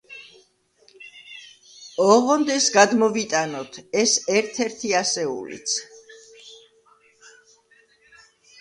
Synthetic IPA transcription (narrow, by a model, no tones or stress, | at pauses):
ɔʁɔnd̪ɛsɡad̪mɔvit̪ʼanɔt̪ʰɛsɛɾt̪ʰɛɾt̪ʰiasɛṵlḭt̪sʰ